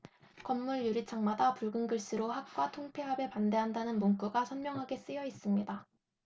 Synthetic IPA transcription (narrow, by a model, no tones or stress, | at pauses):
kʌmːuɭjuɾit͡ɕʰaŋmadapuɭɡɯŋɡɯɭs͈ɯɾohak̚k͈watʰoŋpʰeɦabepande̞ɦandanɯnmonk͈uɡasʰʌnmjʌŋɦaɡe̞s͈ɯjʌis͈ɯmɲida